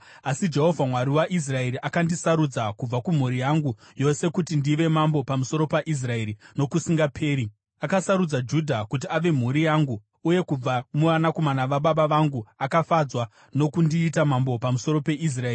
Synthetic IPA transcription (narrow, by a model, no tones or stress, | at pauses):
asid͡ʒe̞ɦo̞vʱamwaɾiwaʔis̬rae̞ɾiʔakandisaɾud͡zakub͡vakum̤uɾijaŋɡu | jo̞se̞kutindiʋe̞mambo̞pamuso̞ɾo̞paʔis̬rae̞ɾino̞kusiŋɡapʰe̞ːɾi | akasaɾud͡zad͡ʒudʱakut̬iaʋe̞m̤uɾijaŋɡuː | je̞kub͡vamuʋanakomanaʋaɓaɓaʋaŋɡuakafad͡zwa | no̞kundiːtamambo̞pamuso̞ɾo̞pe̞ʔis̬raeːri